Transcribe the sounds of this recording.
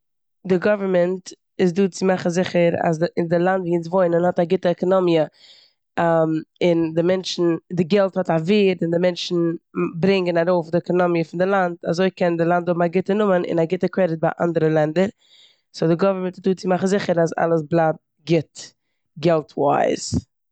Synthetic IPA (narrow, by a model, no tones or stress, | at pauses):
dɪɡɔvəɾmɛnt | ɪzduːt͡sɪmaχn̩zɪχəɾa̰sɪndɪlˠantviːnsvoɪnənhɔtaɡɪtəɛkɔnɔmiə | amɪndɪmɛnt͡ʃn̩dɪɡɛlˠthɔtaviːɾɪndɪmɛnt͡ʃn̩bɾɪŋɡənaɾoːfdɪɛkɔnɔmijəfɪndɪlˠanda̰zoɪkɛndɪlˠantʊbmaɡɪtənʊmənɪ̰naɡɪtəkɾɛdɪt̚baɪʔa̰ndəɾəlˠɛndəɾ | sodɪɡɔvəɾmɛntɪzduːt͡sɪmaχn̩zɪχəɾasa̰lˠəsblˠad̚ | ɡɪt | ɡɛlˠtʰwa̰ɪz̥